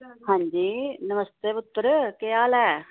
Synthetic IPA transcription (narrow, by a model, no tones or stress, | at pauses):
hãːɲd͡ʒiːnəməst̪eːpʊt̪ːəɾkɪjaːlɛː